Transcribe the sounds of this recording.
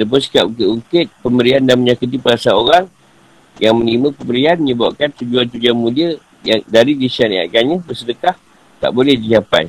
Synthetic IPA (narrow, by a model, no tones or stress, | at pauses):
ləp̬ʊnsi̥kap̚ukit̪uŋkɪt̪̚pəmbəɾiandanməɲakət̪̬ipəɾasaoɾaŋ | jaŋmə̃nlimə̃pəmbəɾianməɲə̃baʔ̚kant̪ud͡ʒuant̪ud͡ʒuanmũdiə | jaŋdaɾidisania̰ʔkaɲə̃bəsədəkah | t̪a̰ʔbolɛhdiɲapa̰j